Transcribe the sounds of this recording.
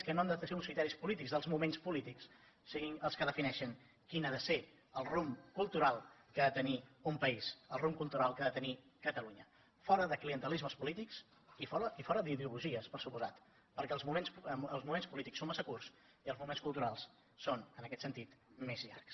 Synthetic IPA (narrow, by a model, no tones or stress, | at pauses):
skənoamd̪t̪əseunskɾit̪ɛɾispulit̪iɡzðəlˠzmumenspulit̪iks | siɣinəlˠskəðəfinɛʃəŋ | kinaðəse | əlˠrumkulˠt̪uɾalˠkaðət̪əniumpəisəlˠrumkulˠt̪uɾalˠkaðət̪ənikət̪əluɲə | fɔɾəðəkliənt̪əlizməspulit̪iks | ifɔəifɔɾəðiðiuluʒiəspəɾsupuzat̪ | pəɾkɛlˠzmumensəlˠzmumenspulit̪iksomasəkurs | iəlˠzmumenskulˠt̪uɾalˠs | sonənəkɛt̪sənt̪it̪mezʎa̰rks